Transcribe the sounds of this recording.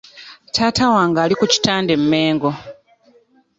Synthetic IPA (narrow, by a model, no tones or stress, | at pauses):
tʰaːtawaːŋɡaːlikuci̥taːnde̞mːe̞ːŋɡo̞